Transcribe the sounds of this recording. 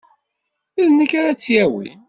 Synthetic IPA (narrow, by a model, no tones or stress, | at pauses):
iðnːəkːaɾat͡sːjæwḭ